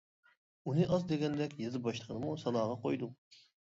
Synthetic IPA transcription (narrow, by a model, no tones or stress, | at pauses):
unɨʔɑzd̪eɡʲɛnd̪ɛkʲjezɨbɑʃt̪ˠəʁʰənɨmusɑlɑːʁɑqʰojd̪u